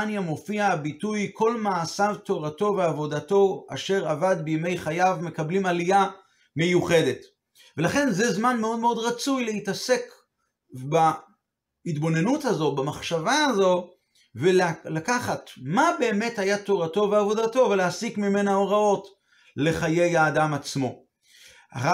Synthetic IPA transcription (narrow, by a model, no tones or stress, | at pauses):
njamo̞fiabitujkʰo̞lmaːsavto̞ʁato̞ve̞avo̞dato̞a̰ʃe̞ʁavad̪bejme̞jχajavme̞kablimalija | mejuχe̞de̞t | ve̞laχe̞nzezmanmeo̞d̪me̞o̞dʁat͡sujlehitase̞k | ba | itbo̞ne̞nuthazo̞bamaχʃavaːzo̞ | vellakaχatmabe̞ːme̞thajato̞ʁato̞veavo̞dato̞ve̞leasikmime̞naoʁao̞t | le̞χaje̞jaːdamat͡smo̞ | a̰ʁa